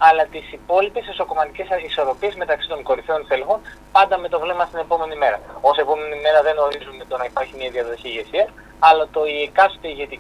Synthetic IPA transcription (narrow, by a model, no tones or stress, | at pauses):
ɐlɐt̪isipo̞lipe̞seso̞ko̞mɐt̪ice̞sɐiso̞ɾo̞pie̞zme̞t̪ɐksi̥t̪o̞ŋko̞ɾiθio̞nθelxo̞n | pɐnd̪ɐme̞t̪o̞vlemɐst̪ine̞po̞me̞nime̞ɾɐo̞se̞po̞me̞nime̞ɾɐðe̞no̞ɾizume̞t̪o̞nɐipɐɾçimiɐðiɐðo̞çiːʝe̞siɐ | ɐlɐt̪o̞iekɐst̪eiʝe̞t̪i